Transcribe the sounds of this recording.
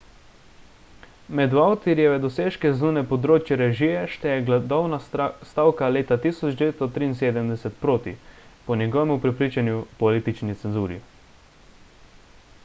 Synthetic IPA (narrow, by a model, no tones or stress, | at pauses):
mɛd̪ʋawt̪iɾjɛʋɛd̪ɔseːʃkɛznuːnɛpɔd̪ɾoːt͡ʃjɛɾɛʒiɛʃt̪ɛjɛɡd̪ɔwnast̪aːwkaleːt̪at̪iːsɔd͡ʒd̪ɛʋeːt̪t̪ɔt̪ɾiːnseːd̪əmd̪ɛsɛt̪pɾoːt̪ḭpɔnjɛɡɔʋɛmupɾɛpɾiːt͡ʃanjupɔlit̪it͡ʃnit̪sɛnzuːɾḭ